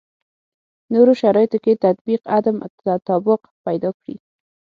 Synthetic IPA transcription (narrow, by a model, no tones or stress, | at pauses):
noɾoʃaɾɑjɪt̪oket̪ad̪biqad̪amat̪ɑbɪq | pajd̪ɑkɽḭ